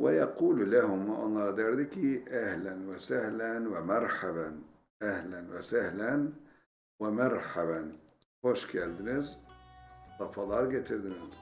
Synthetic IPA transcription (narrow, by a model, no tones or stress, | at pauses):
wɪjɑquːllahʊmʔɑnːɑɾd̪ɑɾd̪ɪkiʔahlanwasahlanwamɑɾˤħaban | ʔahlanwɪ̰sahlan | wamɑɾˤħaban | xoʃkald̪ɪnɪz | t̪ˤɑfɑlˤɑɾɡat̪ɪld̪ɪnɪz